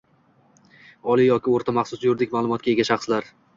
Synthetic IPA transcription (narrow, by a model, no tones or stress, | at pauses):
ɒlˠijɒkʲɪoɾt̪ʰamɑχsʊsjʊɾd̪ɪkʲmaːlˠʊmɒt̪̚kʲaeɡʲaʃɑχslaɾ